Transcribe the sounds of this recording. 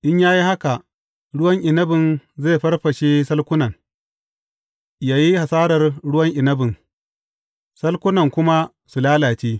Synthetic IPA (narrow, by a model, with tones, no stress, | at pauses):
ʔɪ˦ɲjaː˦ji˦ha˦ka˨ʔ | ɽʊ˦wɐ˦ŋʔɪ˨nɐ˦bɪ˨nzeː˦˨ɸɐ˦rɸɐ˨ʃeː˦sɐ˦lkʷʊ˦nɐ˨ŋ | jaː˦ji˦ha˨saː˦ɽɐ˨rɽʊ˦wɐ˦ŋʔɪ˨nɐ˦bɪ˨ŋ | sɐ˦lkʷʊ˦nɐ˨ŋkʷʊ˦ma˦ | su˨laː˦laː˨t͡ʃeː˦